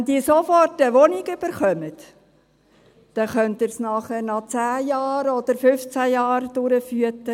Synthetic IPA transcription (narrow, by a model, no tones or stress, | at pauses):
ɛnd̪iːsofɔrtəʋɔnɪɡʏb̥əɾχœmət̪ | d̥ɛχœnt̪ɪɾsnɑχæɾnɑt͡sæːjɑːɾɔd̪̥əɾfʏft͡sæjɑːɾd̥ʊɾəfyətːə